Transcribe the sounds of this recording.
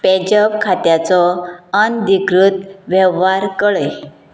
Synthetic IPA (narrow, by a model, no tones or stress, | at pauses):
pɛd͡ʑəbkʰat̪jat͡sɔənd̪ikɾut̪ʋjɛʋɦaɾkəɭəj